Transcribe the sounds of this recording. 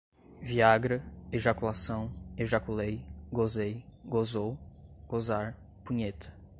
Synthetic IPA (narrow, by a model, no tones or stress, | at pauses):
viaɡɾɐeʒakulasɐ̃w̃eʒakulejɡozejɡozowɡ̥ozaɾ | pũɲet̪ʰɐ̥